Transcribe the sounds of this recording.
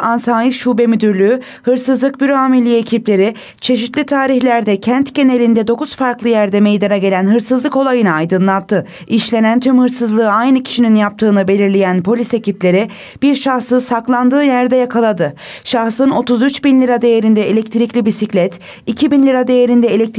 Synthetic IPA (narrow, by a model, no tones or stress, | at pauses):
ansaːjifʃuːbɛmyd̪yɾlʲyː | hɯɾsɯzlˠɯk̚byɾoamilʲijecʰiplʲe̞ɾi | t͡ʃʰe̞ʃ̬it̪lʲit̪ʰaːɾiçlʲæɾd̪ɛcʰænt̪ɟe̞ne̞lʲind̪ɛd̪o̞kuz̥faɾklˠɯjæɾd̪ɛme̞jd̪anaɟe̞lʲænɦɯɾsɯzlˠɯko̞lˠajɯnaajd̪ɯnlˠat̪ʰːɯ | iʃlʲe̞nænt̪ʰymhɯɾsɯzlˠɯːajnɯcʰi̥ʃininjap̚t̪ʰɯːnɯbe̞lʲiɾlʲejænpʰo̞lʲise̞ciplʲe̞ɾi | b̥iɾʃahsɯsaklˠand̪ɯːjæɾd̪ɛjakʰalˠad̪ɯʃaxsɯno̞t̪uzyt͡ʃbinlʲiɾad̪e̞jeɾind̪ɛelʲɛc̚t̪ʰɾiclʲibisiclʲɛt̪ | icʰibinlʲiɾad̪e̞je̞ɾind̪ɛelʲɛc̚t̪